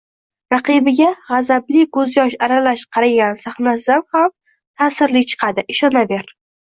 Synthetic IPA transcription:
ɾɑqɨbɪɡʲaʁɑzablɪɡɵzjɒʃaɾalaʃqʰɑɾaɡʲansaχnasd̪anham | t̪ʰaːsɪɾlɪt͡ʃʰɨ̥qʰɑd̪ɪʔɪʃɒnabe̞ɾ

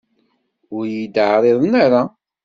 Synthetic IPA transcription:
ʊɾjid̪ʕɾˤeðˤnaɾa

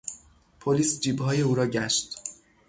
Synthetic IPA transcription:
pʰoliːsd͡ʒiːbɦɒːje̞uːɾɒːɟæʃt̪

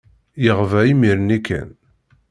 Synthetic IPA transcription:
jəʁvæimiɾnikːæ̰n

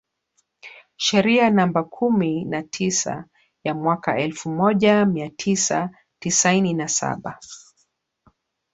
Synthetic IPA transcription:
ʃɛɾianambakʰuminatʰisa̰ | jamwaka̰ɛlfumɔʄamiatʰisa̰ | tisaininasa̰ɓa

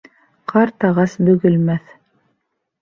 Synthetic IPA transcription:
qʰɑɾt̪ɑʁɑsbɵ̆ɡɘ̆lmæθ

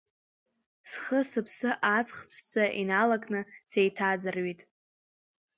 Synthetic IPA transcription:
sχəsɨpʰsɨʔat͡sʼχt͡ʃʷʰt͡sʰʼaʔinalakʼnɨsejtʰad͡zɨrɥitʼ

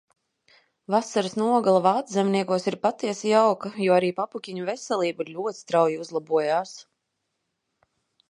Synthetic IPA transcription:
vasaɾɨsnuɔɡalˠavaːt̪zʲɛmniɛkuɔsiɾpat̪ːiɛsijawkajuɔaɾiːpapukʲiɲuvɛsɛlˠiːbiɾlʲuɔt̪st̪ɾawjiuzlˠabuɔjaːs

